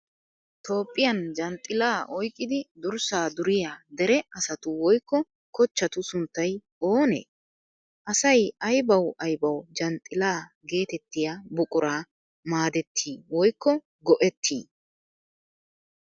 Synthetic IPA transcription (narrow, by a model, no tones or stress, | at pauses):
t̪o̞ːpʼːɪjɐnd͡ʒɐnt̪ʼːɪlaːʔɔjkʼːɪd̪ɪd̪ʊɾsaːd̪ʊɾɪjad̪ɛɾɛʔɐsɐt̪ʊwɔjkːɔ | kɔt͡ʃːɐt̪ʊsʊnt̪ːɐj | o̞ːnḛː | ʔɐsɐjɐjbɐwʔɐjbɐwd͡ʒɐnt̪ʼːɪlaːɡe̞ːt̪ɛt̪ːɪjabʊkʼʊɾaː | maːd̪ɛt̪ʰːiːwɔjkːɔ | ɡɔʔɛt̪ʰːḭː